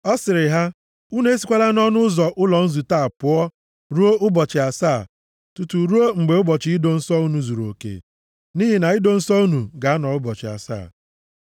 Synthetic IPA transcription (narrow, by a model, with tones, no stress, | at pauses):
ɔ˦sɪ˨ɾɪ˨ɦa˦ | u˦ne˦si˨˦kʷa˦la˦n˦ɔ˦nʊ˦zɔ˨ʔʊ˦lɔ˨n̩˦zu˨ta˦˨pʊ˨ɔ˦ | ɾu˦o˦ʔʊ˦bɔ˨t͡ʃɪ˨a˨saː˦˨ | tu˨tu˨ɾu˦o˦ŋ͡m̩˨ɡ͡be˨ʊ˦bɔ˨t͡ʃɪ˨i˦do˨n̩˦sɔ˦u˦nu˨zu˨ɾo̰˨kḛ˨ | ni˦ɦi˨na˨i˦do˨n̩˦sɔ˦u˦nu˨ɡa˨a˦nɔ˨ʊ˦bɔ˨t͡ʃɪ̰˨a̰˨sa̰ː˦˨